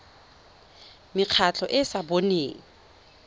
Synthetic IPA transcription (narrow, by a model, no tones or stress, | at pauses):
mɪq͡χʰat͡ɬʰɔʔɪsaboneːŋ̩